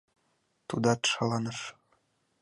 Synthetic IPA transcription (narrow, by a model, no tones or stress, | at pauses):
t̪ud̪ɑt̪ʃɑlˠɑnɤʃ